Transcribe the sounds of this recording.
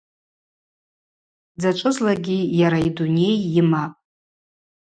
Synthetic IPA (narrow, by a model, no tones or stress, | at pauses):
d͡zat͡ʃʷʼɨzlaɡʲijaɾaidune̞jimapʼ